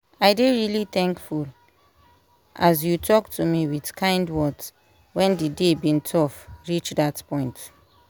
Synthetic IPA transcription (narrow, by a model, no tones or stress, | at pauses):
ajdeɹiliθɛ̃ŋkful | ʔazjutʰɔktʰumiwidkʰãɪ̃ndwɔt | wɛ̃ndidebĩntʰɔfɹit͡ʃdatpɔ̃ɪ̃nt